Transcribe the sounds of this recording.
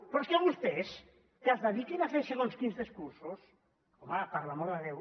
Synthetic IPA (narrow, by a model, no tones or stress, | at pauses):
pɾskeβust̪es | keazðaβikinafeseɣonskinzðiskuɾsus | omapaɾlamoɾðeðew